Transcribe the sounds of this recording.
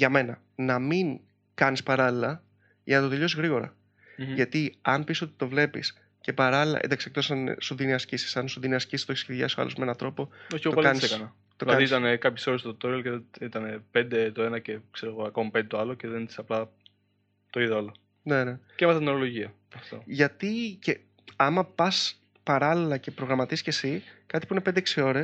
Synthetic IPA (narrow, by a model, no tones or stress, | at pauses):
ʝɐme̞nɐ | nɐmiŋ | kɐnispɐɾɐlilɐ | ʝɐnɐt̪oðuʎo̞sizɣɾiɣo̞ɾɐ̰ | ʝɐt̪iɐnpiso̞t̪i̥t̪o̞vle̞pḭs | ce̞pɐɾɐlilɐ̰ʔḛnd̪ɐksek̚t̪osɐn̰soðiineɐsisi̥sɐnsoðineɐscist̪oeiseðʝɐ̰soɐ̰lozmee̞nɐt̪ɾo̞po̞oçiopɐlkɐniseskɐnɐ | t̪olɐɐðit̪ɐnekɐpçeso̞ɾest̪ot̪oɾilceit̪ɐne̞pe̞nd̪e̞t̪oe̞nɐce̞kseɾoɣoɐko̞mɐpe̞nd̪et̪oɐloceðeniisɐplɐ | t̪o̞iðoɐlo | ne̞ne̞cemeθɐt̪inoɾolo̞ʝiɐ | ɐft̪oʝɐt̪ice̞ | ɐmɐpɐs | pɐɾɐlilɐce̞pɾo̞ɣɾɐmɐt̪iscesikɐt̪i̥puine̞pend̪eeksio̞ɾe̞s